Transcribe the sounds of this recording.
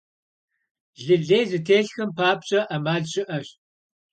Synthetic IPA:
ɮɨɮeːzɨtʰeːɬxɨmpʰaːpɕʼɐʔɐmaːɮɕʼɪʔɐɕ

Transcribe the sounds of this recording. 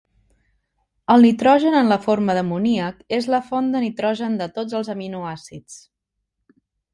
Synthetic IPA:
əlˠnit̪ɾɔʒənənləfoɾməðəmuniəkezləfond̪ənit̪ɾɔʒənd̪ət̪od͡zəlˠzəminuasit͡s

